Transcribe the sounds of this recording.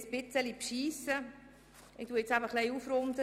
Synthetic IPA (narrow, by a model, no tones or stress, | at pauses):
sb̥ɪt͡səlipʃiːsə | ɪkt̪uəet͡sæbəχlɛɪufɾʊnd̪ə